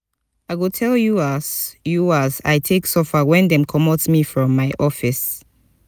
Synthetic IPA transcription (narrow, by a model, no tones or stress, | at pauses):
aɪɡotʰɛljuasjuaza̰ɪtʰeksɔfəwɛ̃ndɛ̃mkʰɔmɔtsmifɹɔ̃mːaɪʔɔfis